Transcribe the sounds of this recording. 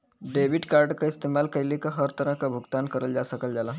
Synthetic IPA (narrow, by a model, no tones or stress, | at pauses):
ɖeʋiʈkaɾɖkaist̪emalkəɾlikəɦəɾt̪əɾə̃kabʱuɡt̪ankəɾəld͡ʑasəkəld͡zala